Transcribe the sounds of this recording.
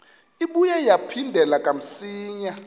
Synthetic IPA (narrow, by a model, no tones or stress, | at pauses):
iɓujajapʰindʱɛlakʼam̩siːɲa